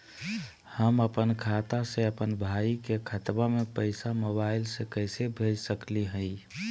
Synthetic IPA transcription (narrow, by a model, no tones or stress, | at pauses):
həməpənkʰat̪asẽəpənbʱaikekʰət̪bamepəɪsamoβaɪlsẽkəjsebʱed͡ʒsəkliɦəɪ